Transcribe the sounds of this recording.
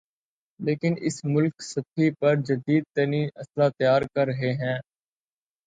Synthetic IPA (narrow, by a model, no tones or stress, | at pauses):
leːkɪnɪ̰smʊlksɐfʰipɐɾd͡ʒəd̪iːd̪̚t̪ɐniːnɐslat̪əjaːɾkɐɾːəɦeɦɛ̃ː